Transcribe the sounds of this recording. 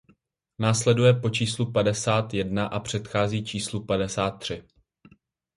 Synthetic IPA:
naːslɛdujɛpo̞t͡ʃiːslupadɛsaːt̪jɛdnaʔapr̝̥ɛt̪xaːziːt͡ʃiːslupadɛsaːt̪̚ːr̝̥ɪ

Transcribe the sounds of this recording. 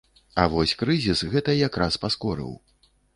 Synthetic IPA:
avɔsʲkɾɨzʲisɣɛt̪ɐjakɾaspaskɔɾɨ̰w

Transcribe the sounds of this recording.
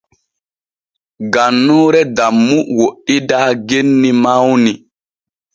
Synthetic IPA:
ɡanːuːɾɛdamːuwoʔidaːɡenːimawni

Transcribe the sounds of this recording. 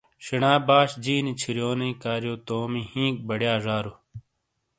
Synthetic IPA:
ɕinaːbaːɕd͡ʑiːnit͡ɕʰiɾjoːnɐĩkaːɾjoːt̪oːmihĩːk̚bɐɽjaːʐaːɾu

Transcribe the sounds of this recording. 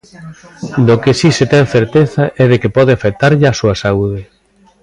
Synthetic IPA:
d̪okɪsiset̪ɛŋθeɾt̪eθɐʔɛðekɪpɔðɪafek̚t̪aɾʎɪasuɐsauðɪ

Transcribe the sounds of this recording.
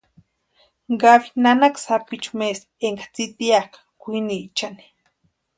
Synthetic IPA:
ɡawinanaksapit͡ʃumes | eŋɡḁt͡sit̪iakḁkʷinit͡ʃani̥

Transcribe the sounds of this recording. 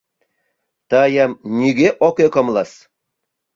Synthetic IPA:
t̪ɑjɑmnʲiɡʲeʔokekɤ̆mlˠɑs

